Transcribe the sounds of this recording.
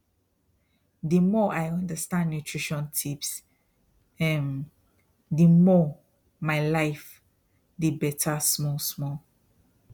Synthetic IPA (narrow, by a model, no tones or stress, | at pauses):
dəmɔʔaɪʌ̃ndəstãnnjutʰɹiʃɔ̃ntʰips | ɛ̃m | dəmɔ | maɪlaɪf | dibɛtʰasmɔlsmɔl